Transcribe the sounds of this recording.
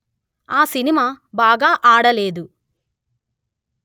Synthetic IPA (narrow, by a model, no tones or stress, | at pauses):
aːsinimaːbaːɡaːʔaːɽɐleːd̪u